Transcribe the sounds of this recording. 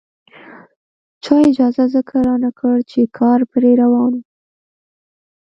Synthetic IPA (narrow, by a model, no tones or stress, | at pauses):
t͡ʃɑɪd͡ʒɑzazəkʰaɾɑnakʰəɽt͡ʃekʰɑɾpɾeɾawɑnu